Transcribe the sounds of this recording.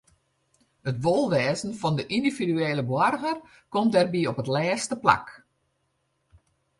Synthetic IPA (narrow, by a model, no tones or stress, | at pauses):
ətʋolˠʋɛːzən̩fɔndəʔindividyeːləbwɔrɣər | kɔmdɛrbiɔpətlɛːstəpla̰k